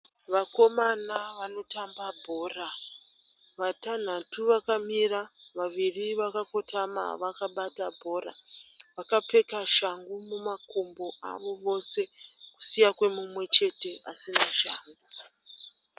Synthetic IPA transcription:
ʋako̞manaʋano̞tambabʱo̞ːra | ʋatan̤atuʋakamiɾaʋaʋiriʋakako̞tʰama̰ʋakaɓatabʱo̞ɾa̰ʋakape̞kaʃaŋɡumumakombo̞a̰ʋo̞ʋo̞se̞ku̥sijakwe̞mumwe̞t͡ʃe̞te̞asinaʃa̰ːŋɡu

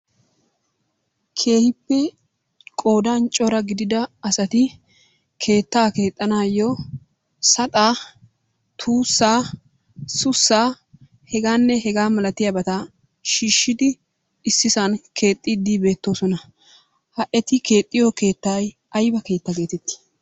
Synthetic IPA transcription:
kʰe̞ːhɪpːɛ | kʼo̞ːd̪ant͡ʃʼɔɾɐɡɪd̪ɪd̪ɐːsɐt̪ɪ | kʰe̞ːt̪ːaːke̞ːt̪ʼːɐnaːjːɔ | sɐt̪ʼaː | t̪ʰuːsːaː | sʊsːaː | hɛɡaːnːɛɦɛɡaːmɐlɐt̪ɪjɐbɐt̪ɐ | ʃiːʃːɪd̪ɪ | ɪsːɪsɐnkʰe̞ːt̪ʼːɪd̪ibe̞ːt̪ːo̞ːsɔnɐ | hɐʔɛt̪ɪke̞ːt̪ʼːɪjoke̞ːt̪ːaːj | ɐjbɐke̞ːt̪ːɐke̞ːt̪ɛt̪ːɪ̥

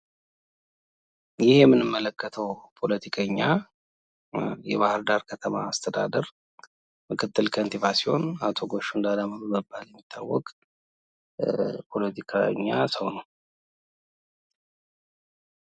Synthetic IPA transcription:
jɪhjɛmːɨnɨmːələkʰːət̪ʰəwpʰo̞lət̪ʰikʰəɲːa | jɛ̰βahɨɾd̪aɾkʰət̪ʰəma̰ːst̪ʰəd̪a̰d̪əɾ | mɨkʰɨt̪ːɨlkʰənt̪ʰivasiho̞̰nat̪ʰo̞ɡo̞ʃuɨnd̪alamənubəbːaljɛmːit̪ʰːa̰wːɔ̰kʼ | pʰo̞lət̪ʰikʰa̰ɲːasəwnəw

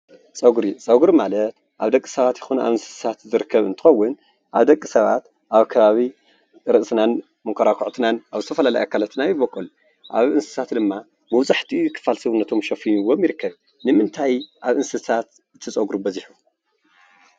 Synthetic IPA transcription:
sʼɐɡuɾit͡sʼɐɡuɾimalɐt̪ | ʔaβd̪ɐkʼːi̥sɐβat̪jɪxonuʔa̰βɨnsɨ̥ssʰat̪zɨɾɨkʰːɐβɨnt̪ʰɨ̥xɐwːʊn | ʔa̰βd̪ɐkʼːisɐβa̰t̪ | ʔaβkʰɐβaβi | ɾɨʔsɨnan | mɨkʷʰɐɾakʰuʕt̪ʰɨnanaβzɨt̪ʰɐfɐlala̰jʔakʰːalat̪ʰɨnajɪβɐkʼːul | ʔa̰βɨnsɨ̥sʰat̪d̪ɨmːa | bɨwzaħt̪ʰikʰɨ̥falsɐβunːɐt̪ʰo̞mʃɐfiɲuwomjɪɾɨkʰːɐβ | nɨmɨnt̪ʰajʔaβɨnsɨsʰat̪ | ɨt̪ʰɨt͡sʼɐɡɾubɐziħu

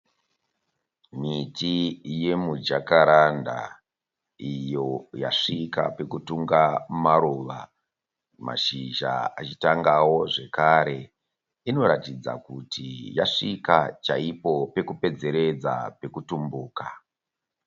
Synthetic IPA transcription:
mitije̞mud͡ʒakaɾanda̰ | ijo̞jaʂika̰pe̞kutuŋɡamaɾoʋa | ma̰ʃiʒa̰a̰t͡ʃitaŋɡawo̞ʐe̞kaɾe̞ | ino̞ɾatid͡za̰kutijaʂikat͡ʃaipo̞pe̞kupe̞d͡ze̞ɾe̞d͡za̰pe̞kutumbuːka

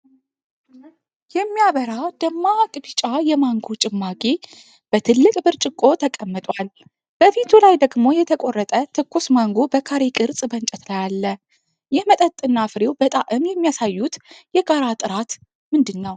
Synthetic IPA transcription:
jɛmːijaβəɾawd̪̥əmːakʼbɨt͡ʃʼajɛmaŋɡot͡ʃʼɪmːakʼi | b̥ət̪ʰɨlːɨkʼbɨɾt͡ʃʼɪkʼːo̞t̪ʰəkʼəmːɨt̪ʼwal | b̥əfit̪ʰulajd̪əɡmo̞jɛt̪ʰəkʼo̞rːət̪ʼət̪ʰɨkːusmaŋɡobəkʰaɾekʼɨɾt͡sʼbənt͡ʃʼɛt̪lajalːə | jɪhmət̪ʼət̪ʼːɨnːafɨɾewbət̪ʼaʔɨmjɛmːijasajːut̪jɛɡaɾat̪ʼɨɾat̪ | mɨnd̪ɨnːəw

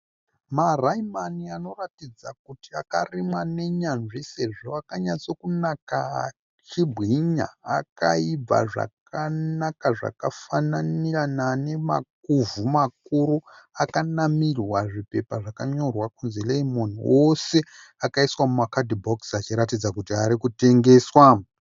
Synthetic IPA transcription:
maraimaniano̞ratid͡zak̚utiakarimwane̞ɲanʐise̞ʐo̞akaɲat͡sokunaka | t͡ʃibʱɣiɲa̰aka̰ib͡va̰ʐa̰kanakaʐa̰kafananiranane̞ma̰k̚uvumakuɾuakanamirwaʐipe̞paʐakaɲo̞rwakunzeleimo̞niose̞ | akaiswamumakadibʱoksat͡ʃiɾatid͡zakutiaɾikute̞ŋɡe̞ːswa

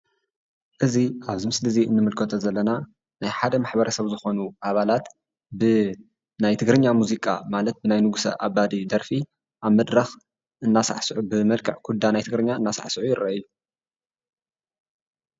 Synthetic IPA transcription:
ʔɨziʔaβzɨmɨslɨziɨ̰nːɨmɨlkʰɐt̪ʰozɐlːɐna | najħad̪ɐmaħbɐɾɐsɐβzɨxo̞nuʔaβalat̪ | bɨ | najt̪ʰɨɡɾɨɲːamuzikʼa̰malɐt̪̚bɨnajnɨɡusɐ̰ʔabad̪id̪ɐɾfi | ʔaβmɐd̪ɾɐx | ʔɨnːasa̰ʕsɨʕubɨmɐlkʰɨʕkʰud̪anajt̪ʰɨɡɾɨɲːaɨnːasa̰ʕsɨʕujɪrːɐ̰ʔjːu

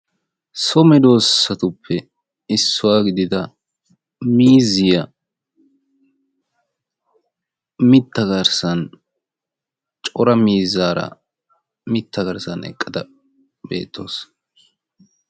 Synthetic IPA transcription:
sɔmɛd̪o̞ːsːɐt̪ʊpʰːɛ | ɪsːʊwaːɡɪd̪ɪd̪ɐ | miːzɪjɐ | mɪt̪ːɐɡɐɾsɐn | t͡ʃʼɔɾɐmiːzaːɾɐ̰ | mɪt̪ʰːɐɡɐɾsɐnɛ̰kʼːɐd̪ɐ | be̞̰ːt̪ʰːo̞̰ːs

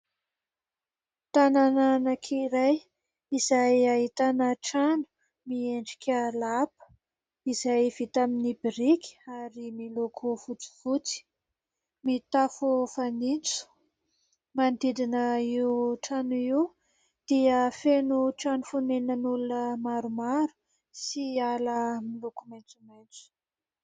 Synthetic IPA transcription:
t̪anananakʰiɾaj | izajaɦit̪anəʈ͡ʂanu̥ | mieɳɖ͡ʐi̥kʲʰalapə̥ | izajv̥it̪aminibiɾikʲaɾimilokʰufut͡si̥fut͡si̥ | mit̪afufanint͡su̥ | mand̪id̪inəiuʈ͡ʂanuiw | d̪̥iəfenuʈ͡ʂanufunenənulunəmaɾumaɾu̥ | sialəmilukumajnt͡sumajnt͡su̥

